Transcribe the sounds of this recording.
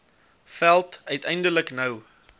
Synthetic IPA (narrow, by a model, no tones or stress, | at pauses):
fælˠtœɥtɛjndələknəw